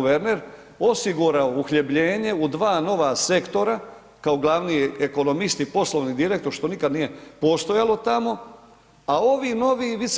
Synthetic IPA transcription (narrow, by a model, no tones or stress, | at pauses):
ʋeɾneɾ | o̞siɡuɾaouxʎebʎe̞ːɲe̞ud̪ʋaːno̞ʋase̞kt̪o̞ɾa | kaoɡlˠaʋnieko̞no̞mist̪ipo̞slˠo̞ʋnid̪iɾe̞kt̪o̞ɾʃt̪o̞nikad̪nije̞po̞st̪o̞jalˠo̞t̪amo̞ | ao̞ʋino̞ʋiʋis